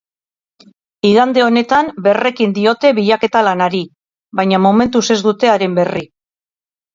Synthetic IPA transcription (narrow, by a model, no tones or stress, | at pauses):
iɣand̪e̞o̞ne̞t̪ambe̞re̞kind̪io̞t̪e̞βiʎake̞t̪alanaɾi | βajɲamome̞nt̪use̞zd̪ut̪e̞aɾe̞mbe̞ri